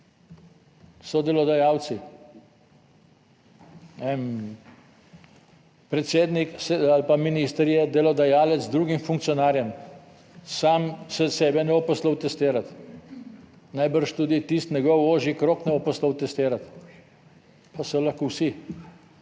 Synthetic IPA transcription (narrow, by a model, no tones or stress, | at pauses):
sɔd̪ɛlɔd̪ajawt̪si | ɛn | pɾɛt̪seːd̪niksɛalpaminist̪əɾjɛd̪ɛlɔd̪ajaːlɛd̪zd̪ɾuːɡimfuŋk̚t̪sijɔnaːɾjɛm | saːmsɛsɛːbɛnɛɔpɔslɔwt̪ɛst̪eːɾat̪ | najbəɾʃt̪uːd̪it̪ist̪nɛɡɔwoːʒikɾoːknɛɔpɔsləwt̪ɛst̪eːɾat̪ | pasɔlɐxkowsi